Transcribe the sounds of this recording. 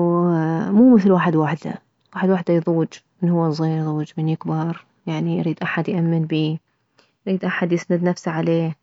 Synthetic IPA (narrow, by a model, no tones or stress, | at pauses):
wmuːmɪθlwaːħɪd̪waħd̪a̰ | waːħɪd̪waħd̪ajðˤuːd͡ʒ | mɪnhʊwːazˤːiːɾjðˤuːd͡ʒmɪnjɪkbɑɾˤ | jaʕniʔɾiːd̪ʔaħad̪jʔamːɪnbiː | ʔɾiːd̪ʔaħad̪jɪsnɪd̪nafsaʕaleː